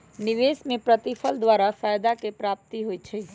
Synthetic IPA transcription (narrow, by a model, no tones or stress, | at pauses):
niʋesmepɾət̪ipʰəld̪ʋaɾafajd̪akepɾap̚t̪iɦojt͡ʃʰə